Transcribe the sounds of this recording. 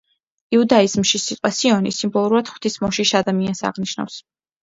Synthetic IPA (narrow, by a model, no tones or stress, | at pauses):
iud̪aizmʃisit̪ʼqʼwasiɔnisimbɔlˠuɾuɾad̪̥χw̥t̪ʰismɔʃiʃad̪amiansa̰ʁniʃna̰fs